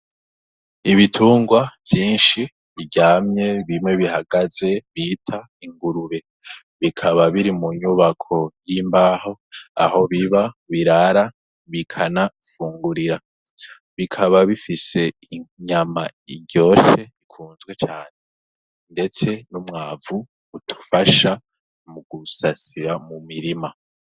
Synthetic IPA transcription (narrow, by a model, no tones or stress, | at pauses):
iβitʰuːŋɡwav̥jiːnʃi | βiɟaːmɲe̞βimŋe̞βihaɡaz̥e̞βiːtʰa | iŋɡuɾuɾe̞ | βikʰaβaβiɾimuɲuβakʰo̞jiːmbaːho̞a̰ho̞βiβaβiɾaɾa | βikʰanafuːŋɡuɾiɾa | βikʰaβaβifise̞iɲamaiɟjo̞ːʃe̞ikʰuːnzɡwe̞t͡ʃaːne̞ | nde̞t͡se̞numŋaːvuː | tʰu̥faʃa | muɡ̥usasiɾamumiɾima